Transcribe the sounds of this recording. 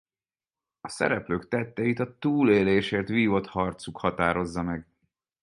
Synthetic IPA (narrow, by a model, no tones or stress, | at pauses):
ɒsɛ̰ɾɛpløːkt̪ɛt̪ːɛjit̪ɒt̪uːleːleːʃeːrt̪ʋiːvo̞t̪hɒrt̪sukhɒt̪aːɾo̞zːɒmɛɡ